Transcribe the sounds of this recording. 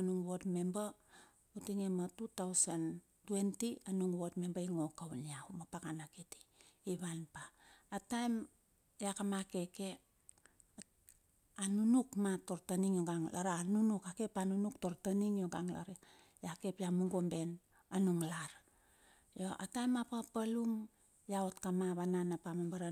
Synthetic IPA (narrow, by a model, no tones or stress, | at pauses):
anuŋwo̞tme̞mba | utiŋematutawsan | twe̞ntianuŋwo̞tme̞mbaiŋo̞kawniaumapakanakiti̥ːβanpaːtajm | jakamake̞ke̞ | anunukmato̞ɾtaniŋjoɡaŋla̰ɾanunukake̞panunukto̞ɾtaniŋjoɡaŋla̰ɾe | jake̞pjamuŋɡo̞mbe̞n | anuŋlaɾ | joʔa̰tajmapapaluŋ | jaotkamaβananapamambaɾa